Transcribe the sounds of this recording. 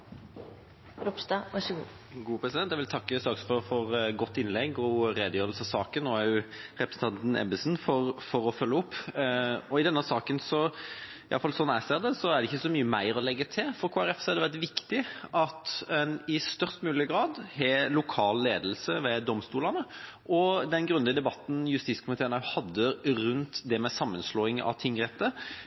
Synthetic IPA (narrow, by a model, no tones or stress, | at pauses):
ɾɔpst̪ɑʋæʃɡṵː | ɡuːpʰʁɛsɪd̪ɛnt̪jæɛʋɪlt̪ʰɑkːəsɑksfɔfɔɾɡɔt̪ːɪnlɛɡɔɾeːd̪əjøːɾəlsəɑsɑːkənːoːæɾjʊʁɛpɾəsn̩t̪ʰɑnt̪n̩ɛ̰bəsnfɔɾfɔɾɔfœlːəʊpː | ɔɪd̪ɛnːəsɑːkənsɔ | ɪʔɑ̰ləfɑlsɔnæɪseːʁd̪ɛsɔæʁd̪ɖɛɪçːəsɔmyːəmæɪɾɔlɛɡːət̪ʰɪlfɔɾkʰoːæɾɛfsɔɛæɾd̪ɛʋæʁt̪ʋɪkt̪ɪʔɑt̪ɛnɪst̪œʁst̪mʉːlɪəɡɾɑːd̪hɛlʊkʰɑːlːeːd̪l̩səʋɛd̪ɔmst̪uːlənə | ʔɔd̪ɛnɡɾʉnd̪əd̪ɛbɑt̪n̩jʉst̪iːtskʰʊmɪt̪ʰeːɾnəhɑd̪ːəɾʉnt̪d̪ɛmɛsɑmːənsloːɪŋɑ̰ʋt̪ʰɪŋːɾɛt̪ːə